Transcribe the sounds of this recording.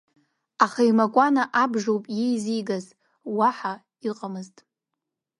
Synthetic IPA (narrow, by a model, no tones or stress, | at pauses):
aχajmakʷʼanaʔabʐowpʼjejzijɡaz | waħa | iqʼamɨztʼ